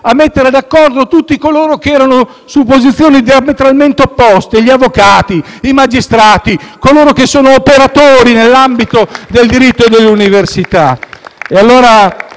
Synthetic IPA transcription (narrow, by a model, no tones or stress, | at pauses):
amːet̪ːeɾed̪akːɔrd̪ot̪ut̪ːikoloːɾok̟eɛːɾano | supːozit̪sːjoːnid̪iamet̪ɾalment̪eopːɔst̪eʎiavːokaːt̪i | imad͡ʒist̪ɾaːt̪ikoloːɾokesːoːnoːpeɾat̪oːɾinelːambit̪od̪eld̪iɾit̪ːod̪elːuniversit̪aealːoːɾa